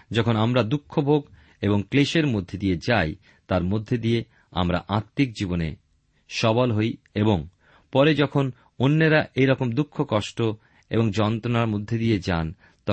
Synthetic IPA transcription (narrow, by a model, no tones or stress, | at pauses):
d͡ʑɔkʰonamɾad̪ukʰːobʱoɡ | eboŋkleʃeɾmod̪ʱːed̪ijed͡ʑaj | t̪aɾmod̪ʱːed̪ije | a̰mɾa̰ʔaɾt̪ːik̚d͡ʑibonḛ | ʃɔbolɦoj | eboŋ | pɔɾed͡ʑɔkʰon | onːeɾaʔejɾɔkomd̪ukʰːokɔʃʈo | ḛboŋd͡ʑɔnt̪ɾonaɾmod̪ʱːed̪ied͡ʑan | t̪ɔ